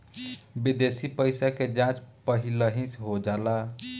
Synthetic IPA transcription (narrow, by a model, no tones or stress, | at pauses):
bid̪esipəɪsaked͡ʒãt͡ʃpəɦiləɦĩsɦod͡ʒaːla